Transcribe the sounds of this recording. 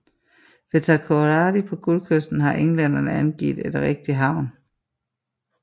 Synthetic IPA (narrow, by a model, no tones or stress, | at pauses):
ʋe̝t͡sʰækʰoʁɑːdipʰɒ̽ɡ̥ulkʰøsd̥n̩ɦɑ̈ʔeŋlæn̰ɐnəænɡ̥ḭːd̥e̝d̥ʁɛɡ̥̚d̥iɦɑ̈ʊ̰n